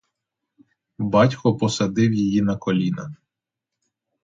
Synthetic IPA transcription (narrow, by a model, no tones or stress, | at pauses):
bɑtʲkɔpɔsɐd̪ɪwjijinɐkɔlʲinɐ